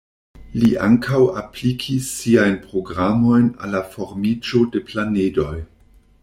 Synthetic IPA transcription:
liʔa̰ŋkʰawaplikʰisːiajnpɾo̞ɡɾamo̞jna̰lːafo̞ɾmid͡ʒo̞de̞planedo̞j

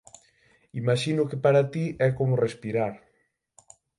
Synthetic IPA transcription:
imaʃinʊkepaɾat̪iɛkomʊrespiɾaɾ

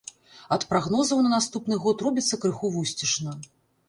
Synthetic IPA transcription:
ɐt̪pɾaɣnɔzɐwnɐnast̪upnɨɣɔt̪rɔbʲit̪sːɐkɾɨxuvusʲt͡sʲiʂnɐ

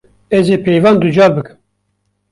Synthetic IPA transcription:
ɛzeːpʰejvɑːnd̪ud͡ʒɑːlbɨkɨ̥m

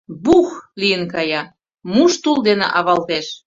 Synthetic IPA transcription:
buxlijənkɑjɑ | muʃt̪uld̪enḛʔɑβɑlt̪eʃ

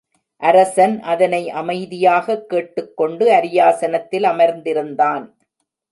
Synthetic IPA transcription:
ʔɐɾɐsɐnʔɐðɐnɐɪʔɐmɐɪðɪjaːɣɐkːeːʈːɯkːɔɳɖɯɐɾɪjaːsɐnɐt̪ːɪlɐmɐɾnd̪ɪɾɯnd̪aːn

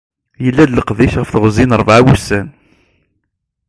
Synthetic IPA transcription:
jəlːæd̪ləqðiʃʁəfθʁzinəɾˤəvʕawusːæn

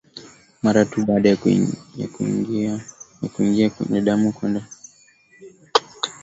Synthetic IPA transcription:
maɾatuɓaːɗajja̰ | akuiŋɡiakwɛ̰ɲɛɗamukwɛndɛ

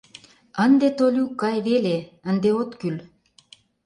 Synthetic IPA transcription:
ənd̪et̪olʲukːɑjβeleənd̪eot̪kyl

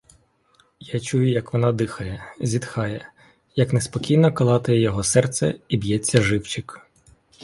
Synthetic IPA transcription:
jat͡ʃujʊjɐkʋɔnɑd̪ɪxɐjɛzʲid̪xɑjɛ | jɐknespɔkʲijnɔkɐlˠɑt̪ɪjɛjɔɦɔsɛrt̪sɛ̰ibjɛt͡sʲːɐʒɪwt͡ʃɪk

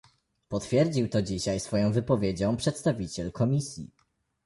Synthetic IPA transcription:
pɔt̪fʲjɛɾd͡ʑiwt̪ɔd͡ʑiɕajsfɔjɔ̃w̃vɘpɔvʲjed͡ʑɔ̃w̃pʂɛt̪st̪avʲit͡ɕɛlkʰɔmʲisʲjḭ

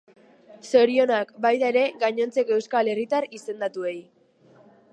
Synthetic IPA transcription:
so̞ɾio̞nakbajðae̞ɾe̞ɡaɲo̞nt͡se̞ke̞wskale̞rit̪aɾise̞nd̪at̪ue̞j

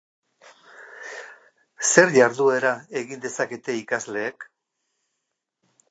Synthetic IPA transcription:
se̞ɾʎaɾðue̞ɾae̞ɣind̪e̞sake̞t̪e̞ikazle̞ːk

